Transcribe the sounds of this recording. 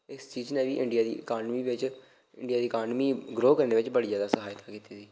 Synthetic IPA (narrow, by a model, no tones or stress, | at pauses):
ɪst͡ʃiːd͡ʒnẽːʋiːʔɪ̃ɳɖijaːd̪iːʔəkaːnmiːʋɪt͡ʃ | ɪɳɖɪjaːd̪iːəkaːnmiːɡɾoːkəɾneːʋɪt͡ʃbəɽiːzaːd̪aːsəɦaːjt̪aːkiːt̪iːsiː